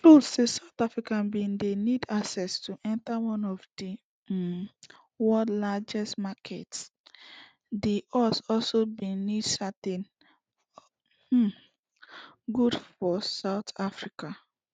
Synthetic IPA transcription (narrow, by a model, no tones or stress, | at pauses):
tɹusesaʊtafɹikãnbĩndenidaksɛstʰuʔɛ̃ntawɔ̃nɔvdi | wɔdlad͡ʒɛstmakʰɛts | deʔɔsɔlsobĩnidsatĩn | h̩ | ɡudfɔsaʊtafɹika